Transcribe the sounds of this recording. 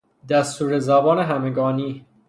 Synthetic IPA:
d̪æst̪uːɾezæbɒːneɦæmeɡɒːniː

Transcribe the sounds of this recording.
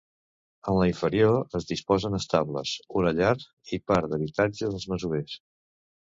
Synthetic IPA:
ənləiɱfəɾioəzðispɔzənəst̪aβlə̰suɾəʎaɾ | ipaɾðəβ̞it̪ad͡ʒəðəlˠzməzues

